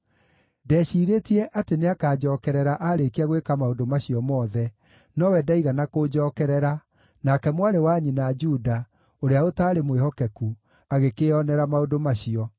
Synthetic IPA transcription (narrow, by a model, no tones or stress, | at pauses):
dɛːɕiːɾetiɛʔateneakaːd͡ʑɔːkɛɾɛɾaʔaɾekeaɣwekamaodomaɕiɔmɔðɛ | nɔwɛdaiɣanakod͡ʒɔːkɛɾɛɾa | nakɛmwaɾewaɲinad͡ʒuda | oɾeaotaːɾemwehɔkɛku | aɣekeɔnɛɾamaodomaɕiɔ